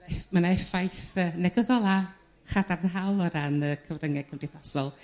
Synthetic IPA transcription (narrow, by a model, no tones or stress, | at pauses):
mənaɛfajθəːnɛɡəðɔlˠa | χadarənɦawlˠɔɾanəkʰəvrəŋɛkʰəmdɪθasɔlˠ